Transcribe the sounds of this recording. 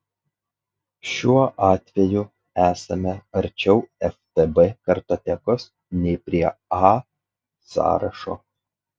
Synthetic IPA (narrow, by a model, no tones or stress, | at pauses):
ʃʲuɔʔɑːt̪ʲʋʲɛjʊ | æːsɐmʲɛɐɾʲt͡ʃʲɛʊɛft̪ebɛkɐɾt̪ɐt̪ʲɛkos | nʲɛɪpʲɾʲiɛɑ | sɑ̰ːɾɐ̰ʃo̰ː